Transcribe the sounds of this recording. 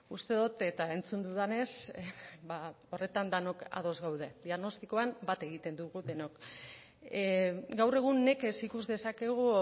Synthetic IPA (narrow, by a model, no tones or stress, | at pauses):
ust̪e̞ðut̪e̞t̪ae̞nt͡sund̪uðane̞sba | o̞re̞t̪and̪ano̞ka̰ðo̞zɣawðe̞ðiaɣno̞st̪iko̞ambat̪e̞ɣit̪e̞nd̪uɣuðe̞no̞k | ɡawre̞ɣ̞unːe̞ke̞sikuzðe̞sake̞ɣ̞u